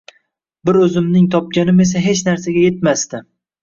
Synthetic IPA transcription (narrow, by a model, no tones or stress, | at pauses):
bɪɾɵzɪmnɪŋt̪ʰɒp̚ɡʲanɪme̞s̬aɦe̞t͡ʃnaɾsaɡʲaje̞t̪̚mast̪ɪ